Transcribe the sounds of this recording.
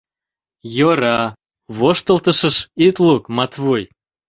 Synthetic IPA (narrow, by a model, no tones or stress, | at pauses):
joɾɑ | βoʃt̪əlt̪əʃəʃit̪lukmɑt̪βuj